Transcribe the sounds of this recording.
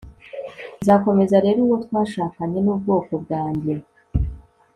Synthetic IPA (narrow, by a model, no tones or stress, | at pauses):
nzako̞me̞zaɾe̞ːɾuwotwaːʃaːkaɲe̞nuːbɡo̞ːko̞b̚ɡaːɲde